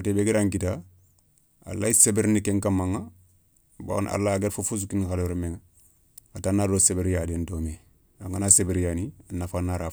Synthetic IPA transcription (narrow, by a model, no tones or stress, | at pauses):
otebeɡiɾaŋkita | a̰lːaisebeɾnikeŋkamaŋːa | ba̰na̰lːaɡeɾfufus̬ukinxaloɾmeŋa | atanːaɾosebeɾjaːdentome | aŋɡanasebeɾjanianːafanːaɾa